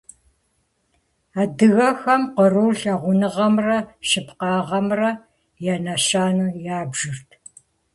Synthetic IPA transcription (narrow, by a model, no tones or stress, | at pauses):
aːdɨɣɐxɐmqəruːɬɐʁʷʊnɨʁɐmrɐʃɨpqɑːʁɐmrɐ | janɐɕaːnuːjaːbʒɨrtʰ